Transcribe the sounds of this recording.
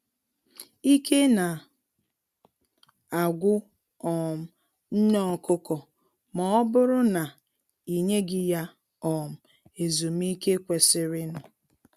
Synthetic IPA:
i˦kʰe˦na˨ | a˨ɡʷʊ˦ | ɔ˨m̩˨ | n̩˦ɲɔ˦˨kʊ˦kɔ˨ | mɔ˨ɔ˦bʊ˦ɾʊ˦na˨ | i˨ɲe˦ɡɪ˦ja˦ | ɔ˨m̩˨ | e˨zu˨m˦i˦ke˦kʷe˨sɪ˦ɾɪ˦nʊ˨

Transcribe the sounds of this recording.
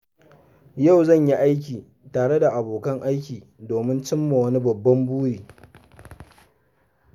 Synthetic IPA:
ja˦˨wzɐ˦˨ɲji˦ʔa˦jk̬ʲiː˨ | taː˨ɽe˦da˨ʔa˨boː˨kɐ˦ŋʔa˦jkʲiː˨ | doː˨mɪ˦nt͡ʃɪ˦mːa˨wɐ˦ni˦bɐ˨bːɐ˦mbuː˦ɾiː˨

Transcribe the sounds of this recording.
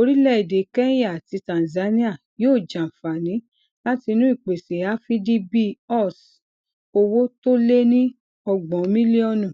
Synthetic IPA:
o˧ɾi˦lɛ˦i˨de˨kɛ˦ja˦˨a˨ti˧tã˨n˨za˨˦nĩ˦a˦˨ | joː˦˨d͡ʒã˨fa˨nĩ˨˦ | la˦ti˧nũ˦i˦˨k͡pe˨se˨˦a˦fi˦di˦bi˦ɔ˦˨s | o˧wo˦to˦le˦nĩ˦ | ɔ˧ɡ͡bɔ̃˨˦mĩ˦li˦ɔ˧˦nũ˦˨

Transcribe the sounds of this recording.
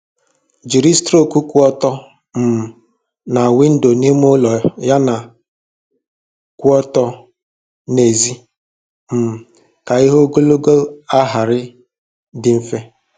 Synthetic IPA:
d͡ʒi˨ɾi˦stɾo˦˨ku˦kʷu˦ɔ˦tɔ˦ | m̩˨ | na˨wɪ˦n̩˦do˨ni˦m˦ʊ˦lɔ˨ja˦na˨ | kʷʊ˦ɔ˦tɔ˦ | ne˨zi˦ | m̩˨ | ka˨i˦ɦo˦ɡo˦lo˦ɡo˦a˦ɦa˨ɾɪ˦ | dɪ˨m̩˦fe˦

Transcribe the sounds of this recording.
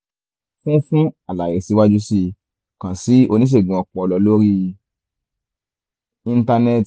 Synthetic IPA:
fũ˦fũ˦a˨la˨e˨si˨˧˦wa˦d͡ʒu˦si˧ | kã˨si˨˦o˧nĩ˦ʃ̬e˦˨ɡũ˨ɔ˨˧k͡pɔ˨ɔ˧lɔ˧˦lo˦ɾi˦ | ĩ˦˧n˦ta˧nɛ˦t

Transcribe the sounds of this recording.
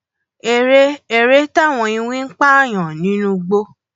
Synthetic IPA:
e˨ɾe˦e˨ɾe˦ta˦˨w̃ɔ̃˧ĩ˧wĩ˦ŋ̩˦k͡pa˦˨j̃ã˨nĩ˨˦nũ˧ɡ͡bo˧

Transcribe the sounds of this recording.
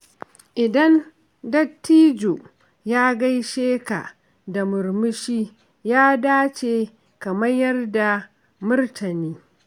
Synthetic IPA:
ʔɪ˨dɐ˦n | dɐ˦tːiː˦d͡ʒo˨ | jaː˦ɡa˦jʃeː˦ka̰˨ | da˨mʊ˨rmʊ˦ʃiː˦ | jaː˦daː˦t͡ʃeː˨ | kɐ˨mɐ˦jjɐ˦rda˨ | mʊ˦rtʰɐ˨niː˦

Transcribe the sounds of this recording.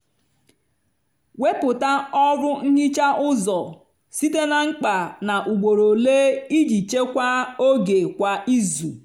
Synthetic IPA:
we˦pʊ˨ta˦ɔ˦ɾʊ˦ŋ̩˦ɲi˦t͡ʃa˦ʔʊ˦zɔ˨ | si˦te˦na˨ŋ͡m̩˦k͡pa˨na˨ʔu˨ɡ͡bo˨ɾo˨le˦i˦d͡ʒi˨t͡ʃe˦kʷa˦o˦ɡe˨kʷa˨i˦zu˨

